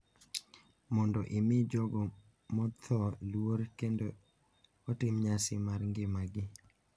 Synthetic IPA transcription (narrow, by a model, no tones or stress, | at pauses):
mɔndɔʔɪmɪd͡ʒɔɡɔ | mɔt̪ʰɔlwoɾkendo | otɪmɲasɪmarŋɡɪmaɡɪ